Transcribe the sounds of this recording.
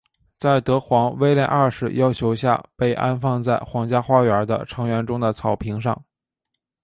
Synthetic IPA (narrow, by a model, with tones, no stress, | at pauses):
t͡sa˥˩ɪt̪ɤ˧˥xwɑ˧˥ŋwe˥ɪljɛ˥˧nʔa˞˥˧ʂɻ̩˥˩jɑ˥ʊt͡ɕʰjo˧˥ʊɕja̰˥˧pe˥˩ɪʔa̰˥nfɑ˥˧ŋt͡sa˥˩ɪxwɑ˧˥ŋt͡ɕja˥xwa˥ɥə˞˧˥d̪ə̰˧ʈ͡ʂʰɤ˧˥ŋɥɛ˧˥nʈ͡ʂʊ˥ŋd̪ə˨t͡sʰɑ˨˩ʊpʰi˧˥ŋʂɑ̰˥˩ŋ